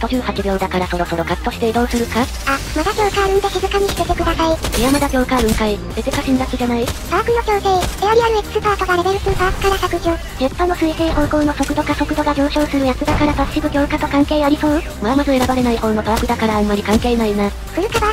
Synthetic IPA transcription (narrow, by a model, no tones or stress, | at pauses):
t̪o̞ʑɨːhat͡ɕibʲjo̞ːd̪akaɾasoɾo̞so̞ɾo̞kat̪ːo̞ɕi̥t̪e̞d̪o̞ːsɨɾɯ̟ka | amad̪akʲo̞ːkaɾɯ̃nt̪eçizɨkaɲ̟iɕi̥t̪et̪ekɯ̟d̪asaiijamad̪aɡʲo̞ːkaɾɯ̟ŋkai | ezekaɕind̪akɯ̟d͡ʑanait̪aɾakɯ̟jokʲoːseieaɾʲiaɾɯ̟ekɯ̥sɨpaːkaɡaɾe̞beɾɯ̟sɨt̪aβakɯ̟̥kaɾaɕakɯ̟ʑɯ̃ | h̪epːanːo̞sɨiseːɦo̞ːkoːno̞so̞kɯ̟d̪o̞kaso̞kɯ̟d̪o̞ɡad͡ʑo̞ːɕo̞ːsɨɾɯ̟jakɯd̪akaɾapasɕibɯ̟ɡʲo̞ːkat̪o̞kãŋke̞ːaɾʲiso̞ː | mamazoe̞ɾabaɾe̞naihõ̞ːnːop̪aɾakɯd̪akaɾaːmːaɾʲikãŋke̞ːnaina | ɸɯ̟ɾɯ̟kaba